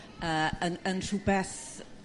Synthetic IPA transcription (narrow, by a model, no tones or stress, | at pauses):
əːənənr̥ubɛθ